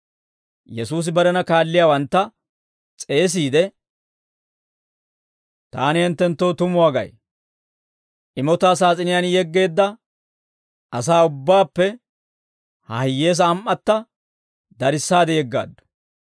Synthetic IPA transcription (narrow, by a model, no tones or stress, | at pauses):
jɛsuːs̬ɪbɐɾɛnɐkaːlːɪjaːwɐnt̪ːɐ | t͡sʼe̞ːs̬iːd̪ɛ | t̪aːnɪhɛnt̪ːɛnt̪ːo̞ːt̪ʊmʊwaːɡɐ̰j | ʔɪmɔt̪aːsaːt͡sʼɪnɪjanjɛɡːe̞ːd̪ːɐ | ɐsaːʊbːaːpːɛ | hɐ̰hɪjːe̞ːs̬ɐːmʔːɐt̪ːɐ | d̪ɐɾɪsːaːd̪ɛjɛɡːa̰ːd̪ːʊ̥